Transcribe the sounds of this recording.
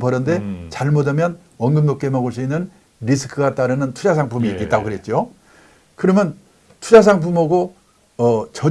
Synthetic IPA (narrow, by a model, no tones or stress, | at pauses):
pʌɾɯnde̞t͡ɕaɭmʌdamjʌn | ʌnɡɯmnok͈e̞mʌɡɯɭs̬͈uinːɯn | ɾisʰɯ̥kʰɯɡat͈aɾɯnɯntʰud͡ʑas̬ʰaŋpʰumiːk͈et͈aɡokɯɾe̞t̚t͡ɕ͈o | kɯɾʌmjʌn | tʰud͡ʑas̬ʰaŋpʰumʌɡo | ʌt͡ɕʌ